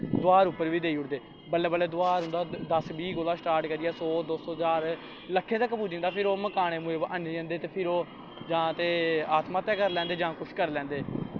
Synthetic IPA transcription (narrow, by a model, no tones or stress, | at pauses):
d̪ʊaːɾʊpːəɾʋiːd̪eːiːʊʈd̪eː | bəlːeːbəlːeːd̪ʊaːɾʊ̃nd̪aːd̪əsbiːkoːlaːsʈaːɾʈkəɾiːɛːsoːd̪osoːɦzaːɾ | ləkʰːẽːt̪əkːpuːd͡ʒɪ̃ŋd̪aːpʰɪɾoːməkaːɽ̃eːmueːbʔə̃nd͡ʒə̃nd̪eːt̪eːpʰɪɾoː | d͡ʒãːt̪eːaːt̪maːt̪ɛːkəɾlɛ̃ːnd̪eːd͡ʒãːkʊʃʰkəɾlɛ̃ːnd̪eː